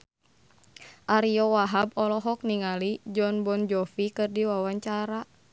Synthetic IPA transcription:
ʔaɾiɔwaɦabɔlɔɦɔk̚niŋalid͡ʒɔnbɔnd͡ʒɔfikɨrdiwawaɲt͡ʃaɾa

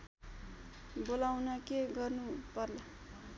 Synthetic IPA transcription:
bolawnʌkeɡʌrnupʌrla

